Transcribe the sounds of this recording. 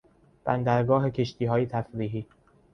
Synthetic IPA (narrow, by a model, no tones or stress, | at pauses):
b̥ænd̪æɾɡɒːɦe̞kʰe̞ʃt̪ʰiːɦɒːjet̪ʰæfɾiːɦiː